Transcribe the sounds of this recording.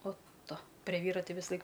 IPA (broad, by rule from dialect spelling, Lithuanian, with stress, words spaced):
oːt ˈtʊ pʲrʲɛ ˈʋʲiːrɐ ˈtʲɪ ʋʲɪsɐˈlˠɐɪk